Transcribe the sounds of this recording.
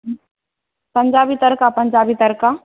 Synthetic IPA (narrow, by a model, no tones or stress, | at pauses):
pəɲd͡ʑabiːt̪əɾkapəɲd͡ʑabiːt̪əɾka